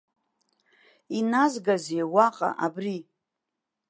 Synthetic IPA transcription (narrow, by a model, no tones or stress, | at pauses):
inazɡazejwaqʼa̰ʔabri